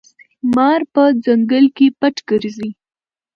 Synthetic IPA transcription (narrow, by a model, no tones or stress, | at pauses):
mɑɾpəd͡zaŋɡəlkepaʈɡ̥əɾzi